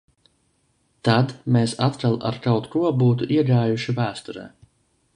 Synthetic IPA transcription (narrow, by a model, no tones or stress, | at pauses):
t̪ad̪meːsat̪kalˠa̰ɾkawt̪kuɔbuːt̪̬uʔiɛɡaːjuʃivæːst̪ɔɾɛ̰ː